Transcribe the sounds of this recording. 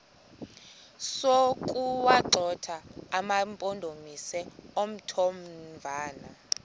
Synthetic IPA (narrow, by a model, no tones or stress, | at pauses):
sokʼuwaǃʱɔtʰaːmampʼondʱomisɛom̩tʰomvʱaːna